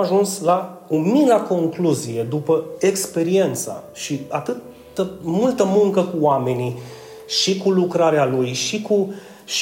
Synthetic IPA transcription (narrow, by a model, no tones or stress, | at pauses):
aʒunslaumilako̞ŋkluzije̞d̪upəekspe̞ɾie̞nt̪sa̰ | ʃiat̪ɨt̪ː | əmult̪əmuŋkəkuoame̞ni | ʃikulukɾaɾealujʃiku | ʃ